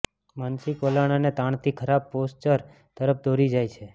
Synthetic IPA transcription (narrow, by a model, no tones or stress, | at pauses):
mansɪkolaɽ̃anet̪ãɳt̪ʰikʰəɾab̚post͡ʃəɾ | t̪əɾəp̚d̪oɾid͡ʒajt͡ʃʰe